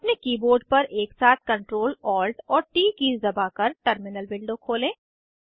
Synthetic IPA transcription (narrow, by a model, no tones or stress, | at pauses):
ɐpnekiːboːɾɖ̚pɐɾʔeːksaːt̪̚ʰkɐ̃ɳʈɾoːlɔːlʈɔːɾʈiːkiːzd̪ɐbakɐɾʈəɾmɪnəlbɪlɖõkʰoːlẽː